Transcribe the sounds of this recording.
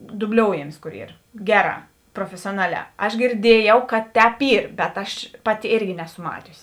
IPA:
dʊbʲˈlʲoːʊjɛmʲɪs ˈkoːr ˈiːr ˈɡʲæːˌrɑː proːfʲɛsʲoːˈnɑːˌlʲæː ɐʃ ɡʲɪrʲˈdʲiɛjɛʊ kɐt ˈtʲɛːp ˈiːr bʲɛt ˈɐʃ ˈpɑːˌtʲɪ ˈeːrʲɡʲɪ ˈnʲæːsʊ ˈmɑːtʲʊsʲɪ

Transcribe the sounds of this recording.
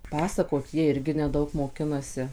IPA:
ˈpɑːsɐkoːt ˈjiɛ ˈɪrʲɡʲɪ nʲɛˈdɐʊk moːˈkʲɪnɐsʲɪ

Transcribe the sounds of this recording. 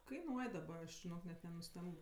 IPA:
kɐɪˈnuɔj dɐˈbɐ ɐʃ ʒʲɪˈnoːk nʲɛt nʲɛnʊˈsʲtʲɛmp

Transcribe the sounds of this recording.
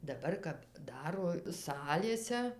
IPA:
dɐˈbɐr kɐp ˈdɑːroː ˈsɑːlʲeːsʲɛ

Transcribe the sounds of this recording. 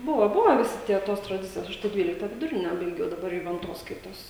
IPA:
ˈbʊʋɐ ˈbʊʋɐ ʋʲɪˈsʲɪ ˈtʲiɛ ˈtoːs trɐˈdʲɪt͡sʲɪjoːs ˈɐʃ tɐɪ ˈdʲʋʲiːlʲɪktɐ ʋʲɪdʊˈrʲɪnʲɛ bɐɪˈɡʲɛʊ dɐˈbɐr jʊʋʲɛnˈtoːs ˈskɐɪtoːs

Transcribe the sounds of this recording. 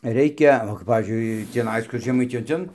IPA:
ˈrʲɛɪkʲɛ oː kɐp ˈpɑːʋʲiːzʲd͡ʒʲʊɪ tʲiːˈnɐɪs ˈkʊr ʒʲɛˈmɐɪtʲɪjoːj ˈtʲɛn

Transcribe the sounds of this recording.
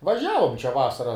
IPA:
ʋɐˈʒʲæːʋoːm t͡ʃʲɛ ˈʋɑːsɐrɐ

